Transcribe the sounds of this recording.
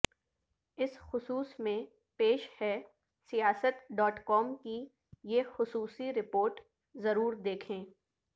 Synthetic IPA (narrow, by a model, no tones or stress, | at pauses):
ɪsxʊsuːsmẽ | peːʃhɛː | sijaːsət̪ɖɔːʈkɔːmki | jeːxʊsuːsiɾɪpoːɾʈ | zɐɾuːɾd̪eːkʰẽː